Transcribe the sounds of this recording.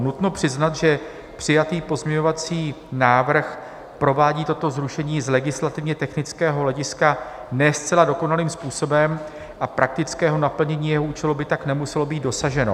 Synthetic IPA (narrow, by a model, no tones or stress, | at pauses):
nut̪no̞pr̝̥ɪznat̪ʒɛ | pr̝̥ɪjat̪iːpo̞zɲɛɲo̞vat͡siːnaːvr̩x | pɾo̞vaːɟiːt̪o̞t̪o̞zɾuʃɛɲiːzlɛɡɪslat̪ɪvɲɛt̪ɛxnɪt͡skɛːɦo̞lɛɟɪskanɛst͡sɛlado̞ko̞naliːmspuːso̞bɛm | ʔapɾʔak̚t̪ɪt͡skɛːɦo̞napl̩ɲɛɲiːjɛɦoʔuːt͡ʃɛlubɪt̪aknɛmusɛlo̞biːd̪̚do̞saʒɛno